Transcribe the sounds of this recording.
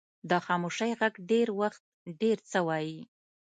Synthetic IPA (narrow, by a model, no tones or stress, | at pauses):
d̪əxɑmoʃəjɣaɡɖeɾwaxt̪̚ɖeɾt͡səwɑji